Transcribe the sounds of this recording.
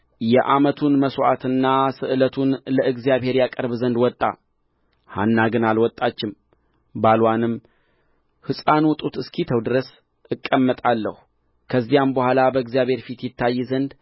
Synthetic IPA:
jɛʔamət̪ʰunməswʔa̰t̪ɨnːasɨʔɨlət̪ʰunləɨɡzjaβɦhe̞ɾjakʼəɾβzənd̪wɔt̪ʼːa̰ | hanːaɡɨnalwɔt̪ʼːat͡ʃːɪm | balwanɨm | hɨsʼanut̪ʼut̪ɨskʰit̪ʰəwd̪ɨɾəs | ɨkʼːəmːət̪ʼalːə̰hu | kʰəzːijambəhʷalabəɨɡzijaβhe̞ɾfit̪jɪt̪ːajːzənd̪

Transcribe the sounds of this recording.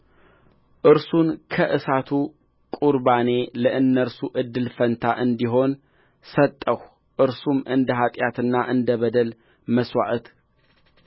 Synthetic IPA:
ʔɨɾsunkʰəʔɨsat̪ʰu | kʼuɾbane̞ləʔɨnːəɾsuʔɨd̪ːɨlfənt̪ʰaʔɨnd̪iɦo̞n | sət̪ʼːəh | ʔɨɾsumʔɨnd̪əɦat̪ʼjat̪ɨnːaʔɨnd̪əβəd̪əl | məswa̰ʔt̪

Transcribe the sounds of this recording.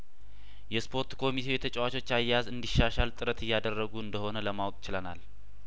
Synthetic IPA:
jɛspʰo̞ɾt̪kʰo̞mit̪ʰe̞wjɛt̪ʰət͡ʃʼɛwat͡ʃʰo̞t͡ʃːajazɨnd̪iʃːaʃalt̪ʼɨɾət̪ɨjːad̪ərːəɡuɨnd̪əho̞nələmawkʼt͡ʃɪlənal

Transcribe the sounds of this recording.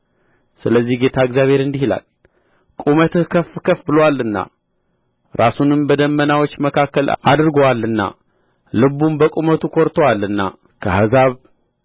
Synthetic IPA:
sɨləzːihɡe̞t̪ʰaɨɡzjaβhe̞ɾɨnd̪ihila̰l | kʼumət̪ɨhkʰəfkʰəfbɨlowalːɨnːa̰ | ɾasunɨmbəd̪əmːənawot͡ʃːməkʰakːəlʔad̪ɾɨɡowalːɨnːa̰ | lɨβumbəkʼumət̪ʰukʰoɾt̪ʰowalɨnːa̰ | kʰə̰hazaβ

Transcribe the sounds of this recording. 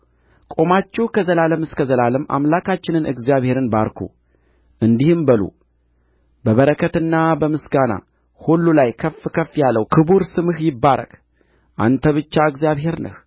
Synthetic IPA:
kʼo̞mat͡ʃːɛhkʰəzəlaləmɨskʰəzəlaləmʔa̰mlakʰat͡ʃːɪnɨnɨ̰ɡzijaβhe̞ɾɨnbaɾkʰṵ | ʔɨnd̪ihɨmbəlṵ | bəβəɾəkʰət̪ɨnːabəmɨsɡana̰ | hulːulajkʰəfkʰəfːjalːəwkʰɨbuɾsɨmɨhjɪbːaɾə̰kʼ | ʔa̰nt̪ʰəβɨt͡ʃːaɨɡzijaβhe̞ɾnə̰h

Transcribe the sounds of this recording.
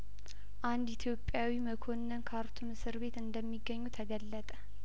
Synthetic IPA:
ʔand̪it̪ʰjo̞pʼːjawiməkʰo̞nːənkʰaɾt̪ʰumɨsɨɾβe̞t̪ɨnd̪əmːiɡːəɲːut̪ʰəɡəlːət̪ʼə

